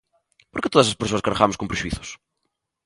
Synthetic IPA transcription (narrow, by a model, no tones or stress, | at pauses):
poɾket̪oðɐs̬ɐspeɾs̬oɐskaɾʁamʊskõmpɾeʒuiθʊ̥s